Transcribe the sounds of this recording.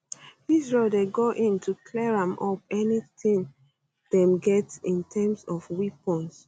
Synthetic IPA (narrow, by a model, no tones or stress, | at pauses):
isɹeldeɡoʔĩntʰukʰlɛɹãmʔɔp̚ɛnitĩŋ | d̥ɛ̃mɡɛtĩntʰɛ̃msɔfwipɔ̃ns